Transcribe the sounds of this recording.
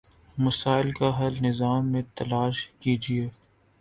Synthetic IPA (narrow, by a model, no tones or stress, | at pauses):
mɐsaːɪlkaɦɐlnɪzaːmːẽt̪ɐlaːʃkid͡ʒieː